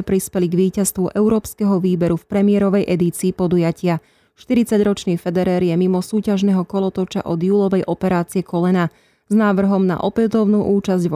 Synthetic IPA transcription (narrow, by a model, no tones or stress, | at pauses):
pɾispɛliɡʋiːcast̪ʋuʔɛʊɾɔːpskɛɦɔʋiːbɛɾufpɾɛmiɪɛɾɔʋɛjʔɛd̪iːt͡siːpɔd̪ujacɪa | ʃt̪iɾit͡saɟɾɔt͡ʃniːfɛd̪ɛɾɛːɾjɛmimɔsuːcaʒnɛɦɔkɔlɔt̪ɔt͡ʃa̰ʔɔd̪juːlɔʋɛjʔɔpɛɾaːt͡siɛkɔlɛna | znaːʋr̩ɦɔmna̰ʔɔpɛt̪ɔʊnuːʔuːt͡ʃazɟʋ